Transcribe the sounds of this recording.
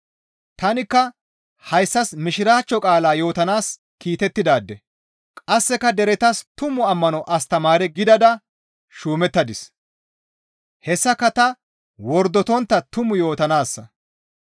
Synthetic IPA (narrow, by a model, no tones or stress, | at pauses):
t̪ɐnɪkːɐ | hɐjsːɐsmɪʃɪɾaːt͡ʃːɔkʼaːlaːjo̞ːt̪ɐnaːs | kiːt̪ɛt̪ːɪd̪aːd̪ːɛ | kʼɐsːɛkɐd̪ɛɾɛt̪ɐst̪ʊmʊɐmːɐnɔʔɐst̪ɐmaːɾɛɡɪd̪ɐd̪ɐ | ʃuːmɛt̪ːɐd̪ɪs | hɛsːɐkɐt̪ɐ | wɔɾd̪ːɔt̪ɔnt̪ːɐt̪ʊmʊjo̞ːt̪ɐnaːsːɐ